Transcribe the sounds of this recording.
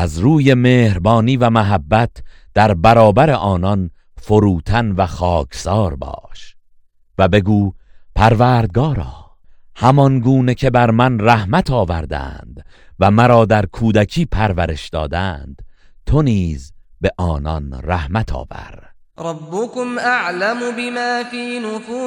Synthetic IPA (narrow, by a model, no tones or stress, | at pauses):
ʔæzɾuːje̞meːhɾbɒːniːvæmæɦæbːæt̪ʰd̪̥æɾbæɾɒːbæɾe̞ʔɒːnɒn | fo̞ɾuːt̪ʰænvæxɒːkʰsɒːɾbɒ̰ːʃ | væbe̞ɡuːpʰæɾvæːɾd̪̚ɡɒːɾɒ̰ː | hæmɒnɡuːne̞cʰe̞bæɾmænræhmæt̪ʰɒːvæɾd̪æ̰nd̪̥væmæɾɒːd̪æɾkʰuːd̪æcʰiːpʰæɾvæɾe̞ʃd̪ɒ̰ːd̪ænd̪̥t̪ʰo̞niːzbe̞ʔɒːnɒnræhmæt̪ʰɒ̰ːvæ̰ɾ | ɾˤɑbːʊkʊmʔaʕlamʊbɪmaːfiːnʊfuː